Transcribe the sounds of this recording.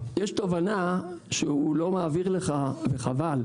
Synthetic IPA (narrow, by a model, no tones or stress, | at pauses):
jeʃt̪ovana | ʃehulo̞maːviʁleχaveχaval